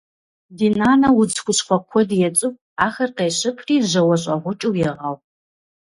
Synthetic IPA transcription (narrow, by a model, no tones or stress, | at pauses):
diːnaːnɐwʊd͡zxʷʊɕχʷɔkʷʰɔdjɛt͡sʼɨp̚ | aːxɐrqeːɕʼɪpʰriːʑɐwɐɕ̬ʼɐʁʷʊt͡ʃʼuwjɪʁɐw